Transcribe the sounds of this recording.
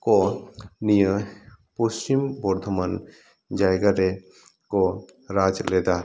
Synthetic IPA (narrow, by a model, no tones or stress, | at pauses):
konijəpost͡ʃimbɔɾd̪ʱəmən | d͡ʒajɡəɾe | ko | ɾad͡ʒled̪a